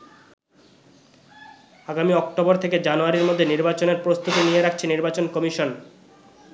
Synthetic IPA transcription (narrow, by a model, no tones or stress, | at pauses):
aɡamiɔkʈoboɾt̪ʰeked͡ʑanuaɾiɾmod̪ʱːeniɾbat͡ɕoneɾpɾost̪ut̪inijeɾakʰt͡ɕʰeniɾbat͡ɕonkɔmiʃon